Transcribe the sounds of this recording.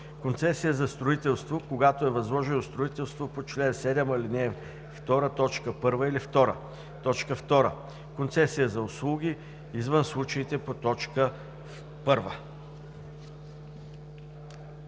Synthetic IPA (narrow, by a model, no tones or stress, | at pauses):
kont̪sɛsijəzɐst̪ɾoit̪ɛlˠst̪vokoɡat̪oɛvɐzlˠɔʒɛnost̪ɾoit̪ɛlˠst̪vopot͡ʃlɛnsɛd̪ɛmɐlinɛː | ft̪ɔɾət̪ɔt͡ʃkəpɤɾvəilift̪ɔɾə̰ | t̪ɔt͡ʃkəft̪ɔɾə | kont̪sɛsijəzɐʊslˠuɡʲi | izvənslˠut͡ʃɐit̪ɛpot̪ɔt͡ʃkə | pɤɾvə